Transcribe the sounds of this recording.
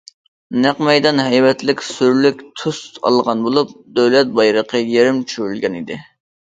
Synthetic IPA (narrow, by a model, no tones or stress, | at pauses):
næqmɛjd̪ɑnɦɛjwɛt̪lɪkʲsyɾlykʲt̪ʰusɑ̰lˠʁɑnbolˠup̚d̪øwlɛt̪̚bɑjɾəqʰəjeɾɪmt͡ʃʰyɾylɡʲɛnid̪ɪ